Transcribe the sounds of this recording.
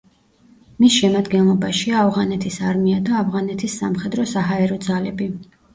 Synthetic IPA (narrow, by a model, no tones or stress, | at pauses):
misʃɛmad̪ɡɛnlˠɔbaʃiaːvʁanɛt̪ʰisaɾmiad̪aːvʁanɛt̪ʰisːamχɛd̪ɾɔsaɦaɛɾɔd̪zalɛbi